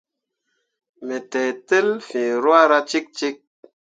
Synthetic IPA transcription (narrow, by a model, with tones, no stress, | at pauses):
me˨tɛ˨te˦lfĩ˨ɾwa˦ɾa˦t͡ʃi˦k̚t͡ʃi˦k̚